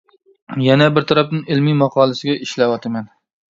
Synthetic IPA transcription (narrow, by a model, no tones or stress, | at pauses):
jɛnɛbɪɾt̪ʰɑɾɑpnɨŋɪlmimɑqʰɑːlˠɨsɪɡʲɛʔiʃlɛwɑt̪ʰɨmɛn